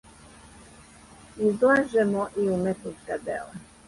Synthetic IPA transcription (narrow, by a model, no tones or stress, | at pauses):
izlaːʒɛmoʔiumet̪nut̪kad̪ḛːla